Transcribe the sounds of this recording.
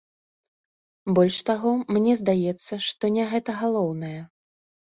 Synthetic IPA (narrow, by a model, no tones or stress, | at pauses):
bɔlʲʂt̪aɣɔmnʲɛzd̪ajɛt̪sːɐʂt̪ɔnʲɛɣɛt̪ɐɣalˠɔwnɐjɛ